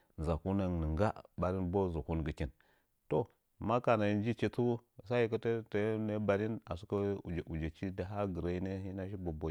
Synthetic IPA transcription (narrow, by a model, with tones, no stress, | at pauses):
n˨za˨ku˦na˨ŋnə˨ŋɡa˦ba˨ɾi˦nbo˦zu˨ku˦nɡə˨ki˦n | to˦˨ | ma˦ka˨na˨ji˦nd͡ʒi˦t͡ʃi˦tu˦˨sa˦ji˦ka˦te˦te˨jne˦ba˨ɾi˦na̰˨su˦kə˦u˨d͡ʒʔu˨d͡ʒe˨t͡ʃi˦da˨ɦa˦ɡə˨ɾa˦i˦ne˦hi˦na˦ʃi˦bo˨bo˨˦